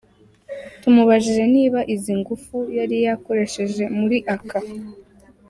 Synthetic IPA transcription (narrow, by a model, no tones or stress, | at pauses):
tumuβaʒiʒe̞niːβaʔiziŋɡufujaɾijako̞ɾe̞ʃe̞ʒe̞muɾiʔakʰa